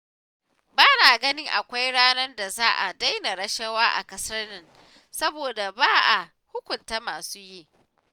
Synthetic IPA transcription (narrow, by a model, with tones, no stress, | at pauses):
baː˦naː˨ɡɐ˦nɪ˦ŋʔa˨kʷa˦jɽaː˦nɐ˦rda˨zaː˦ʔa˨da˦jna˨ɽɐ˦ʃɐ˦waː˦ʔa̰˨kɐ˨sɐ˦rnɪ˦n | sɐ˦boː˨da˨baː˦ʔa˨ | hʊ˦kʷʊ˨nta˦maː˨suː˦jiː˦ʔ